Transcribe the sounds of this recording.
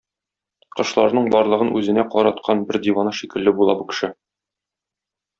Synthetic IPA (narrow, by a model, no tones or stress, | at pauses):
qɤ̆ʃlˠɑ̰ɾnɤɴbɒɾlˠɤ̆ʁɤnʉzɘ̆næqɒɾɑt̪̚qʰɑnbɘɾd̪ivɑnɤʃikɘ̆lːɘbulˠɑ̰bɤkɘ̥̆ʃɘ